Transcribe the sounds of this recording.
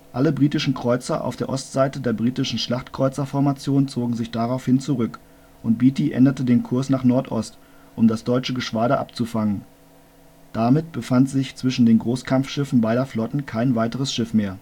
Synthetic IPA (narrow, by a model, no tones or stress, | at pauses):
ʔaləbʁiːtɪʃn̩kʁ̥ɔʏt͡sɐʔa̰ʊfd̥eːɐʔɔstz̥aɪtədeːɐbʁiːtɪʃn̩ʃlaχtkʁ̥ɔʏt͡sɐfɔɐmat͡sjoːnt͡soːɡŋ̩zɪçd̥aʁaʊfhɪnt͡suʁʏk | ʔʊntb̥iːtiʔɛ̰ndətədeːnkʰʊɐsnaːχnɔɐtʰʔɔ̰st | ʔʊmdasd̥ɔʏt͡ʃəɡəʃv̥aːɾəʔa̰pt͡sufaŋən | d̥amɪtb̥əfantz̥ɪçt͡sv̥ɪʃn̩deːnɡʁoːskʰamfʃɪfn̩baɪɾɐflɔtn̩kʰaɪnvaɪtəʁ̞əsʃɪfmeːɐ